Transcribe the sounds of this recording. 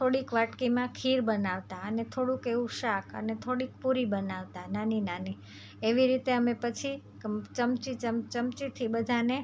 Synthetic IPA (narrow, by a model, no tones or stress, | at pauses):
t̪ʰoɽikʋaʈkimãkʰiɾbənaʋt̪aənet̪ʰoɽũkeʋũʃakʰə̰net̪ʰoɽik̚puɾibənaʋt̪ananinani | eʋiɾit̪eəmẽpət͡ʃʰi | t͡ʃəmt͡ʃit͡ʃəmt͡ʃəmt͡ʃit̪ʰibəd̪ʱane